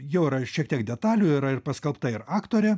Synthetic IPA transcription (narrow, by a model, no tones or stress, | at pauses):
jɛʊiɾɐʃʲiɛk̚t̪ʲiɛkd̪ʲɛt̪ɑːlʲuiɾɐɪrpɐskɐlˠpt̪ɐɪɾɑːkt̪oːɾʲɛ